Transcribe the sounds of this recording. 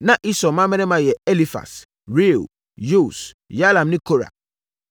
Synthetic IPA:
nã˦ʔi˦sɔ˨mã˦mɛ̃˦nɛ̃˦mã˨jɛ˨e˦li˦fa̰˨s | ɾi˦˨l | ju˦˨s | ja˦lã˨mnɪ̃˦kʰo˦ɾa̰˨

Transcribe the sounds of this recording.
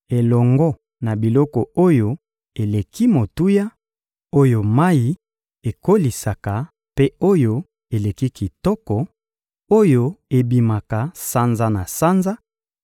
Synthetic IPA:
e˨lɔ˨ŋɡɔ˦ | na˨bi˨lɔ˦kɔ˨o˦jo˦ | e˨le˨ki˦mo˨tu˦ja˦ | o˦jo˦˨ma˦ji˨ | e˨ko˦li˨sa˨ka˨ | pe˦o˦jo˦ | e˨le˨ki˦ki˨tɔ˦kɔ˨ | o˦jo˦e˨bi˨ma˨ka˨sa˦nza˦na˨sa˦nza˦

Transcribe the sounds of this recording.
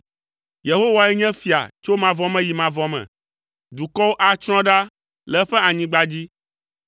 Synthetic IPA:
je˨ɦo˦wa˦ɛ˦ɲɛ̃˦fi˨a̰˨t͡ʃo˦mã˨vɔ˦mɛ̃˦ji˨mã˨vɔ˦mɛ̰̃˨ | d̪u˨kɔ˦wo˦ʔa˨t͡ʃɾ̃ɔ̃˦ɖa˦ | lɛ˨˦ɸɛ˦a˨ɲĩ˦ɡ͡ba˦d͡ʑi˦

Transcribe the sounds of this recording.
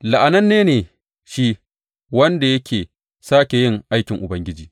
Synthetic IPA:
la˨ʔa˨nɐ˦nːeː˦neː˨ | ʃiː˦ | wɐ˦nda˨jɐ˦kʲʰeː˨ | saː˦kʲe˨jɪ˦ŋʔa˦jkʲɪ˨ŋʔʊ˨bɐ˦ŋɡʲɪ˦d͡ʒiː˨

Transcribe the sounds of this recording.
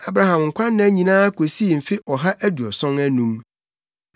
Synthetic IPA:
a˨bɾa˨hã˨mŋ̩˨kʷã˦nː˦ã˨˦ɲĩ˨nãː˦kʰo˨si˦e˨m̩˨fɪ˦ʔɔ˨ɦa˦ʔæ˦du˨ɔ˨sɔ̃˦ŋæ˦nũ˦m

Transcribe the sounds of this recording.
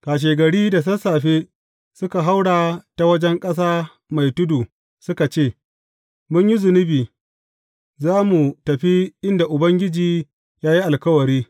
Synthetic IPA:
kaː˨ʃ̬eː˨ɡɐ˨ɽiː˦da˨s̬ɐ˦saː˨ɸeː˦ | sʊ˦ka˨ɦa˦wɽaː˨ta˨wɐ˦d͡ʒɛ˦ŋkʼɐ˦s̬aː˦ | ma˨jtʊ˦duː˨ | sʊ˦ka˨t͡ʃeː˦˨ | mʊ˦ɲji˦zʊ˨nɪ˦biː˨ | zaː˦mu˨tɐ˨ɸi˦ʔɪ˦nda˨ʔʊ˨bɐ˦ŋɡʲɪ˦d͡ʒiː˨ | jaː˦ji˦ʔa˨lkɐ˦wɐ˨ɾiː˦

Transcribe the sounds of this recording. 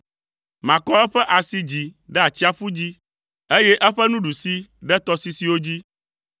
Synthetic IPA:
mã˨kɔ˦ɛ˦ɸɛ˦ʔa˨si˦d͡ʑi˨ɖɛ˦a˨t͡ɕi˦a˦fu˦d͡ʑi˦ | e˦jɛ˦ʔɛ˦ɸɛ˦nũ˦ɖu˨si˦ɖɛ˦t̪ɔ˦si˦si˦wo˦d͡ʑi˦

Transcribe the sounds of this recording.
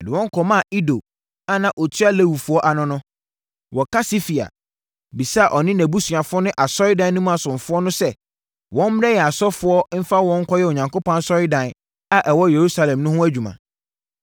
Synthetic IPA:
ɛ˨dɪ˨wɔ̃˦ŋ̩˦kʰɔ˦mã˦˨i˦do˨ | a˦nã˨ʔo˨tʰɥa˦læ˦wu˨fʊ˦ɔ˦ʔa˨nʊ̃˦nʊ̃˦ | wɔ˨kʰa˦si˦fi˨a̰˨ | bi˨sa˦a˨ʔɔ˨nɪ̃˦næ˨bu˦sɥa˨fʊ˦ɔ˦nʊ̃˦ʔa˨sɔ˦ɾɪ˦dã˨n˦nʊ̃˦m̃˦a˨sʊ̃˨n˨fʊ˦ɔ˦nʊ̃˦sɛ˦˨ | wɔ̃˦m̩˦m˦ɾɛ˦jɛ˨a˨sɔ˦fʊ˦ɔ˦m̩˦fa˦wɔ̃˦ŋ̩˦kʰɔ˦jɛ˦˨o˨ɲã˨ŋko˦pɔ̃˦nsɔ˦ɾɪ˦dã˨n | a˦ʔɛ˨wɔ˦je˨ɾu˦sa˨lɛ̃˨mnʊ̃˦ɦʊ̃˦æ˦d͡ʑᶣu˨mã̰˨

